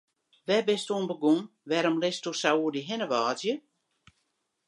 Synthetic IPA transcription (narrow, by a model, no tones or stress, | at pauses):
ʋɛbɪstuːnbəɡun | ʋɛɾɔmlɪstusauədiɦɪnəʋaːzjə